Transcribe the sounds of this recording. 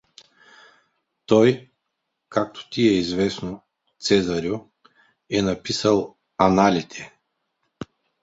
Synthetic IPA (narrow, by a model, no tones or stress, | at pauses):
t̪ɔj | kak̚t̪ʰo̥t̪iɛizvɛsno | t̪sɛzaɾju | ɛnapisalˠ | analʲit̪ʰɛ